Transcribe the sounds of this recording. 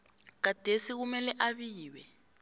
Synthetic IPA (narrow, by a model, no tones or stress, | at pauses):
k̬ad̥ʱesiɣumɛlɛʔaβiːwɛ